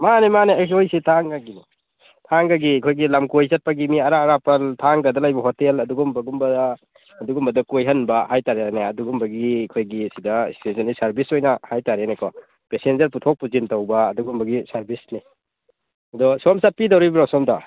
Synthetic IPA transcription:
manemaneakojsitʰaŋɡaɡini | tʰaŋɡaɡikʰojɡilamkojzɐt̚paɡimiɐɾaɾapɐltʰaŋɡadɐlajbɐɦɔtelɐduɡumbɐɡumbɐdaː | duɡumbɐdɐkojɦɐnbɐhajtaɾejanaɐduɡumbɐɡikʰojɡisidɐḭstensɐnisɐɾbisojnɐhajtaɾanekɔ | pesenzɐɾputʰok̚puzintawbɐːduɡumbɐɡisɐɾbisni | ɐdɔsɔmsat̚pidawɾibɾasɔmda

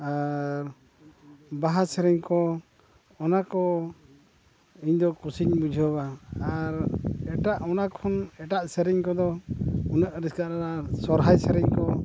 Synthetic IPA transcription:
aɾ | baɦasɛɾiɲkɔ | ɔnakɔ | iɲd̪ɔkusiɲbud͡ʒʱɔbaːɾɛʈaʔɔnakʰɔnɛʈaʔsəɾiɲkɔd̪ɔunəʔɾiskaʔɾaɾasɔɾɦajsəɾiɲkɔ

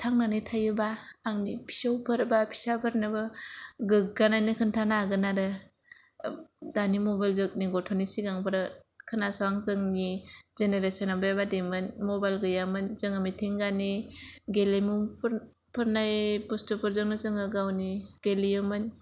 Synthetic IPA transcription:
tʰaŋnanɯjtʰajɯbaːŋnipʰi̥sawpʰɯɾbapʰi̥sapʰɯɾnɯbɯɡɯɡ̚ɡanajnikʰɯntʰanaɡɯnaɾɯ | danimɔbajlzɯk̚niɡɔtʰɔnisiɡaŋpʰɯɾɯkʰɯnasaaŋzɯŋnizeneɾesɔnabajabademɯnmɔbajlɡɯjamɯnzɯŋɯmitʰiŋɡaniɡelemup | pʰɯɾnajpustɔpʰɯɾzɯŋnɯzɯŋɯɡawniɡ̥elijɯmɯn

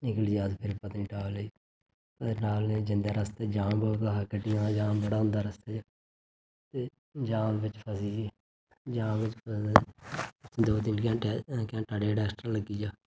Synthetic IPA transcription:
nɪkld͡ʒiəspʰɪɾpət̪niːʈaːləiː | pənaːled͡ʒɪ̃nd̪aːɾəst̪eːd͡ʒãːmboːlt̪aːɦəkəʈijãːd͡ʒaːmbəɽaːɦʊ̃nd̪aːɾəst̪eːd͡ʒaː | t̪eː | d͡ʒãːmʋɪt͡ʃpʰəsiːd͡ʒi | d͡ʒãːʋɪt͡ʃpʰəs | ɪtʰːd̪oːd̪ɪnkãːkãːʈaɖeːʈɛːsʈɾaːləɡiːd͡ʒaː

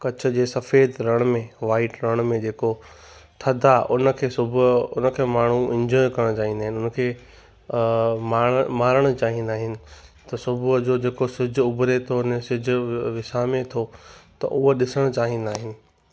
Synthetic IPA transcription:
kɐt͡ɕʰʊ̆d͡ʑeːsɐfeːd̪ɾɐɽ̃mẽʋaːɪʈɾɐɽ̃mẽd͡ʑeːko | t̪ʰɐd̪ʱaʔʊnə̆kʰeːsʊbʱʊʊnəkʰeːmaːɳ̤uɛ̃ɲd͡ʑɔːjkɐɾəɽ̃t͡ɕaːɦĩnd̪aːɦɪnɪʊnkʰeː | mãːmaːɾəɽ̃ʊ̆t͡ɕaːɦĩnd̪aːɦɪnɪ̆t̪ɐsʊbʱʊd͡ʑoːd͡ʑeːkosɪd͡ʑʱʊbʱɾet̪ʰonesɪd͡ʑʱʊʋɪsamẽt̪ʰot̪ɐ̰ʔʊɦoɗɪsəɽ̃t͡ɕaːɦĩn̆aːɦɪnɪ̆

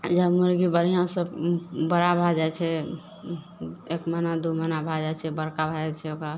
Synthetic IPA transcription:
d͡ʒəmuɾɡibəɾijãsəbəɾabʱad͡ʒajt͡ʃʰɛ | ekmənad̪umənabʱad͡ʒat͡ʃʰɛbəɾkabʱad͡ʒɛt͡ʃʰɛokɾa

